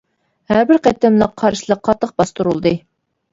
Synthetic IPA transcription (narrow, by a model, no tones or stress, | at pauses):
hæɾbɪɾqɛt̪ːɛmlˠəqqʰɑɾʃilˠəqʰːɑt̪ːəq̚bɑst̪uɾulˠd̪ɨ